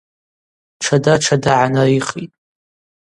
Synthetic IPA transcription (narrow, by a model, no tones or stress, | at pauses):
ʈ͡ʂʰadaʈ͡ʂʰadaʕanaiχitʼ